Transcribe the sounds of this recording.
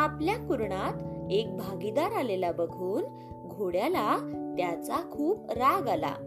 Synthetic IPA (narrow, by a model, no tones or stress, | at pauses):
apljakuɾɳat̪ek̚bʱaɡid̪aɾalelabəɡʱuːn | ɡʱoɽjalat̪jat͡sakʰuːpɾaɡala̰